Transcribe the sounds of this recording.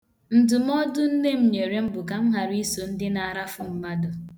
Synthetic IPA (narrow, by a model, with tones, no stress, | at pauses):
n̩˨dʊ˨m˦ɔ˦dʊ˦n̩˦ne˦m̩˦ɲe˨ɾe˦m̩˦bʊ˨ka˨m̩˦ɦa˨ɾi˦so˨n̩˦dɪ˦na˨ɾa˦fʊ˨m̩˦ma˦dʊ˨